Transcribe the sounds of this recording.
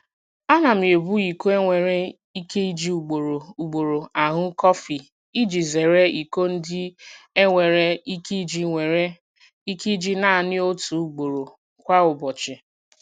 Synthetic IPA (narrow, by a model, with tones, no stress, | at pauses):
a˦na˨m˨e˨bu˦i˨ko˦e˦ŋʷe˨ɾe˦ | i˦ke˦i˦d͡ʒi˨u˨ɡ͡bo˨ɾo˨u˨ɡ͡bo˨ɾo˨a˨ɦʊ˦kɔ˦fi˨ | i˦d͡ʒi˨ze˨ɾe˦i˨ko˦n̩˦dɪ˦e˦ŋʷe˨ɾe˦i˦ki˦d͡ʒi˦ŋʷe˨ɾe˦ | i˦ki˦d͡ʒi˦na˦˨nɪ˦o˦tu˨˦ɡ͡bo˨ɾo˨ | kʷa˦ʊ˨bɔ˨t͡ʃɪ˨